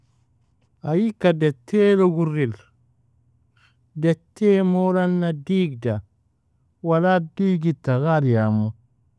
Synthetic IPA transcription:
ajikadɛtʰːeloɡuɾil | dɛtːemolanːadiːɡda | waladiːɡitːaɣaɾjamu

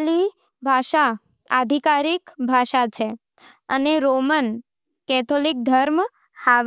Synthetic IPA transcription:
li | bʱaʃa | a̰d̪ʱikaɾikbʱaʃat͡ʃʰe | əneɾomən | kɛt̪ʰolik̚d̪ʱəɾm | haʋ

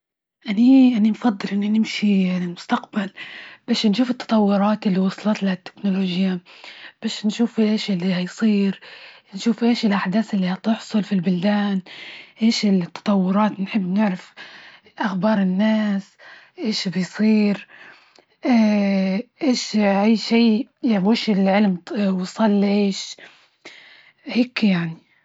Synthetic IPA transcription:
ʔaniʔanimfɑd̪ˤːɨlʔɪnːinɪmʃianilmʊst̪aqbalb̥aːʃnʃuːfɪt̪ːɑ̥t̪ˤɑwːʊɾˤɑːt̪ʔɪlːiwɑsˤlɑt̪lat̪ːɪ̥knʊloːʒjab̥aːʃnʃuːfʔeːʃɪlːihɑjsˤiːɾnʃuːfʔeːʃɪlʔaħd̪aːθʔɪlːihɑt̪ʊħsˤʊlfilbʊld̪aːnʔeːʃɪlt̪ːɑ̥t̪ˤɑwːʊɾˤɑːt̪nħɪbːnɪʕɾɪf | ʔaxbɑːɾˤɪnːaːs | ʔeːʃbɪjsˤiːɾ | ʔ | ʔeːʃʔajːʃiːawaʃɪlʕɪlmwsˤɑlːʕeːʃ | heːkjaʕni

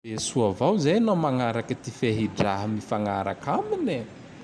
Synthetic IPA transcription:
esuavawzajanomaŋaɾakət̪ifeɦiɖ͡ʐaɦəmifaŋaɾa̰kʰamine

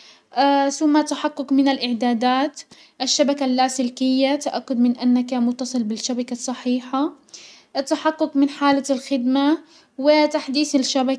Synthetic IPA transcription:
ʔaθʊmːat̪aħaqːʊkmɪnalʔɪʕd̪aːd̪aːt̪ | ʔaʃːabakalːaːsɪlkɪjːat̪aʔakːʊd̪mɪnʔanːakamʊt̪ːɑsˤɨlbɪʃːabakasˤːɑħiːħa | t̪ːaħaqːʊkmɪnħaːlalxɪd̪ma | wɪt̪aħd̪iːθɪlʃabak

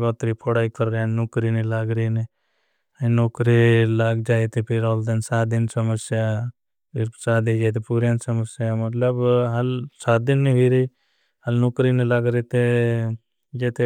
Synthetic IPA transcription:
bɔːt̪ɾipʰoɽaːikəɾːjannokɾinilaːɡɾine | noːkɾilaɡd͡ʒaːet̪epʰɪɾɔːld̪ensaːt̪̚d̪ɪnsəməsja | ɾsaːd̪ed͡ʒaːjt̪̬epuːɾjãːnsəməsjamɐt̪ləbɦɐlsaːt̪̚d̪ɪnːiɦiɾi | hɐlnokɾinelaɡɾet̪e | d͡ʒeːt̪e

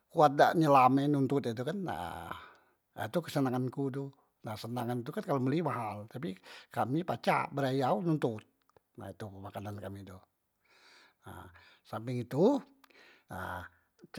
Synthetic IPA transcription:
kuat̪̚da̰ʔɲəlamɛnunt̪ut̪it̪̬ukana̰ | a̰t̪ukəsənaŋankudu | nasənaŋanit̪ukankaloməlimaɦalt̪ap̬ikamipat͡ʃa̰ʔbəɾajaununt̪ut̪̚ | na̰it̪umakanankamidɔ | na̰sampɪŋit̪u | a̰

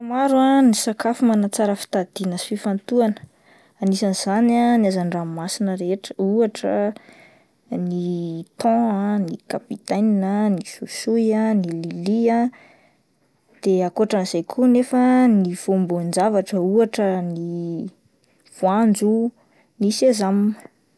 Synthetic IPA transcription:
amaɾuanisakafumanat͡saɾəfi̥t̪ad̪̥inəfifant̪uanə̥ | anisanz̥ananiazanɖ͡ʐamasinəɾeʈ͡ʂə̥uaʈ͡ʂə̰ | nit̪ɔ̃anikapit̪ajninənisusujanililia | d̪̥eakuaʈ͡ʂaniz̥ajkʰunefəniv̥ombond͡zavaʈ͡ʂəuaʈ͡ʂəni | v̥uand͡zu | nisezamnə

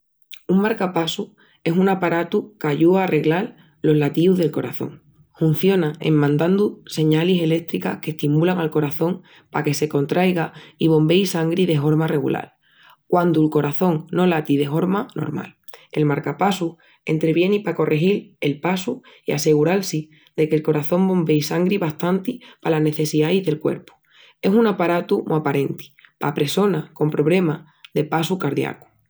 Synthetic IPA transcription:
uŋmaɾkapasu | e̞sunapaɾat̪ukaʎuaːre̞ɣlal | lo̞ɦlat̪iuðe̞lko̞ɾaθo̞̰ŋ | hun̟θjo̞nãḛmmãnd̪and̪use̞ɲalise̞le̞t̪ɾika̰hke̞ht̪imulaŋalko̞ɾaθõ̞ŋ | pake̞se̞ko̞nt̪ɾʔajɣaiβ̞õ̞mbe̞jsaŋɡɾiðe̞ɦo̞ɾmare̞ɣṵlʔa̰l | kwand̪ulko̞ɾaθo̞ŋno̞lat̪iðe̞fo̞ɾmano̞̰ɾma̰l | e̞̰lmaɾkapasu | e̞̰nt̪ɾe̞βje̞nipako̞rʔexile̞lpasu | ia̰se̞ɣ̞uɾalsi | d̪e̞ke̞lko̞ɾaθõ̞mbõ̞mbe̞jsaŋɡɾiβaht̪ant̪ipalane̞θe̞siðajzðe̞lkwe̞̰ɾpu̥ | e̞sunapaɾat̪umʔapaɾe̞nt̪i̥pa̰pɾe̞so̞nako̞mpɾo̞βle̞ma | ðe̞pasukaɾðja̰ku̥

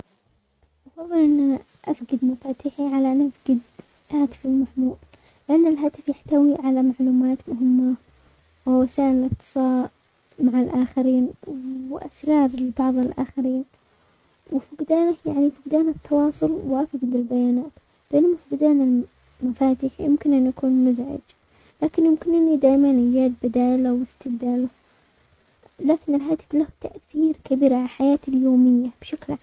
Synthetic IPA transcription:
ʔɑfɑðˤːɨlʔɪnːa | ʔafɡɪd̪mafaːt̪ɪħiʕalaʔanːʔafɡɪd̪ | haːt̪ɪ̥fɪlmaħmuːl | lɪʔanːalɦaːt̪ɪfjaħt̪awiʕalamaʕluːmaːt̪mʊɦɪmːa | wɪwasaːʔɪlʔɨt̚t̪ːɨ̥sˤɑːʔ | maʕalʔaːxaɾiːnwwʔa̰sɾɑːɾˤlɪbɑʕðˤɪlʔa̰ːxaɾiːn | wɪfʊɡd̪aːnahjaʕnifʊɡd̪aːnat̪ʰːɑwɑːsˤʊlwʔafɪɡd̪ɪlbajaːnaːt̪ | bɪʔɪnːmafɪɡd̪aːnal | mafaːt̪ɪħjɪmkɪnʔanːjakuːnmʊzʕɪ̰d͡ʒ | laːkɪnjɪmkɪnʔɪnːid̪aːʔmanʔɪjaːd̪̚bɪd̪aːlawɪst̪ɪbd̪aːlʊ | laːkɪnɪlɦaːt̪ɪ̥flaht̪aʔθiːɾkabiːɾʕaaħajaːt̪ɪljoːmɪjːab̥ʃakl

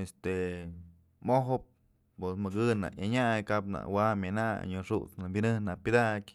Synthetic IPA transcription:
est̪e | moɦɨp̚ | pesmɨɡɨna̰jaɲajkapna̰ʔwamʲana̰ɲoʂuʔt͡snabʲinɨhnaʔpʲɨd̪akʲ

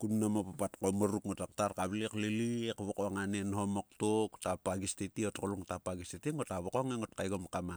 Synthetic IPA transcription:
kunːamopapatkomaɾukŋotak̚tarkaβliklilikβokoŋanenɦomok̚toktapaɡistetiotkoluŋtapaɡistetiŋotaβokoŋeŋotkajɡomkama

